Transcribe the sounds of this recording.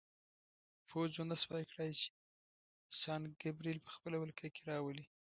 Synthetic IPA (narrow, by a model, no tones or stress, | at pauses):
fozwand̪aspɑjkɽajt͡ʃe̥ | sɑnɡabɾilpə̥xpəlawəlkʰakeɾɑwəli